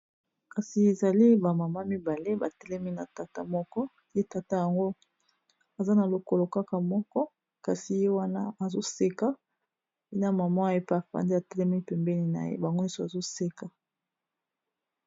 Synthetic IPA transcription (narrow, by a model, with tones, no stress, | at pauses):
ka˨si˨e˨za˨li˦ba˨ma˨ma˦mi˦ba˨le˦ba˨tɛ˦lɛ˦mi˦na˨ta˨ta˦mɔ˦kɔ˦ | je˦ta˨ta˦ja˨ŋɡo˦ | a˨za˦na˨lo˨ko˦˨lo˨ka˦ka˨mɔ˦kɔ˦ | ka˨si˨je˦wa˦na˦a˨zo˦se˦ka˦ | pi˦na˨ma˨ma˦e˦pi˦a˨fa̰˨ndi˦a˨tɛ˦lɛ˦mi˦pɛ˨mbɛ˦ni˨na̰˨jḛ˦ba˨ŋɡo˦i˦so˨a˨zo˦se˦ka˨